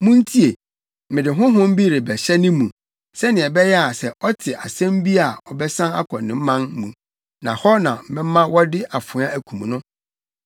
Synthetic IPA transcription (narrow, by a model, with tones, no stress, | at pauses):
mũ˦n̩˦tʰi˦e˨ | mɪ̃˨dɪ˨ɦʊ̃˦ɦʊ̃˦m̩˦bi˦ɾe˨bɛ˨ɕɛ˦nɪ̃˦mũ˨ | sɛ˦nɪ̃˨ɛ˨bɛ˦jɛ˦a˨sɛ˨ʔɔ˦tʰɪ˨ʔa˨sæ̃˦mbi˦a˨ɔ˨bɛ˦sã˦na̰˦kʰɔ̃˨nɪ̃˨m̩˦mã˦n˦mũ˨ | nã̰˨hɔ˦nã˨m̩˨mɪ̃˦m˦mã˦wɔ˦dɪ˦ʔa˨fʊ̃˨˦ã˦æ˨kʰũ˨m˨nʊ̃˦